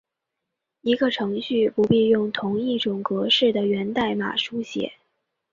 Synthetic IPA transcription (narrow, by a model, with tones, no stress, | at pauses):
i˧˥ɡə˧ʈ͡ʂʰɤ˧˥ŋɕy˥˩pu˧˥pi˥˧jʊ˥˩ŋt̪ʰʊ˧˥ŋi˥˩ʈ͡ʂʊ˨˩ŋkɤ˧˥ʂɻ̩˥˩d̪ə˩ɥɛ˧˥nt̪a˥˩ɪma̰˨˩ʂu˥ɕjɛ̰˨˩˦